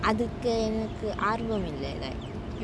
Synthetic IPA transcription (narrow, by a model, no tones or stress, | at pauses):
ʔɐðɯkːɯɛnɐkːɯʔaːɾbɐmɪlːɐ̰lɐ̰